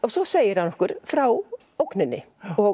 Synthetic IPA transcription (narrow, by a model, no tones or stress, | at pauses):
ɔsɔseːjɪɾhanːɔhkʏɾ̥fɾaw | owknɪnːɪ̰ | ɔ